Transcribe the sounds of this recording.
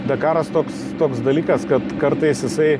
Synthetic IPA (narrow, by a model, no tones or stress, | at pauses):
d̪ʲɐkɑːɾɐst̪oːkst̪oːksd̪ɐlʲiːkɐskɐt̪kɐɾt̪ɐɪsjɪsɐɪ